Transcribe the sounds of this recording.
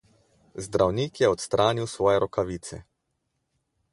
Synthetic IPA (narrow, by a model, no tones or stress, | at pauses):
zd̪ɾawniːkjɛɔt̪st̪ɾʔaːniwsʋɔːjɛɾɔkaʋiːt̪sɛ̰